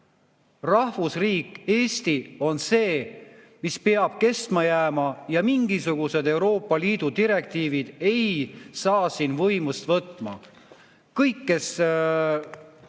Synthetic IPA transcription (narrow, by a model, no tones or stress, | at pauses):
rɑhvusriːkˑːe̞ːsʲt̪io̞nse̞ː | mispe̞ɑb̥̚ke̞st̪mɑjæːmɑjɑmiŋɡ̥isuɡ̥use̞d̪e̞wɾo̞ːpːˑɑliːd̪̥ud̪iɾe̞k̚t̪iːvid̪̥e̞jsɑːsinvɤjmust̪vɤt̪ˑːmɑ̰ | kɤjkːe̞s